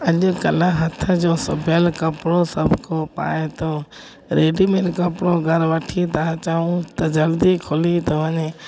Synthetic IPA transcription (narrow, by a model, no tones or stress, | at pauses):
əʄʊkɐlaɦət̪ʰəd͡ʒõːsəbʱelkɐpɽoːsəbʱkoːpa̰ːet̪oː | ɾeːɖimelkəpɽoːɡʱəɾʋəʈʰit̪aat͡ʃaːũt̪ɐd͡ʒɐld̪ikʰʊlit̪oʋəɲe